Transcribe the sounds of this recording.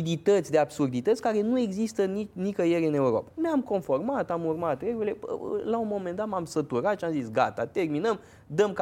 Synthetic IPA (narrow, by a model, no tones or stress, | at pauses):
d̪it̪ət̪sʲd̪e̞absurd̪it̪ət̪sʲkaɾe̞nue̞ɡzist̪ənit͡ʃnikəjeɾɨne̞uɾo̰paneamko̞nfo̞rmat̪amurmat̪ɾe̞ɡuɾileə̰launmo̞me̞nd̪at̪mamsət̪uɾat̪ʃiamzisɡat̪a̰t̪e̞rminəm | d̪əmk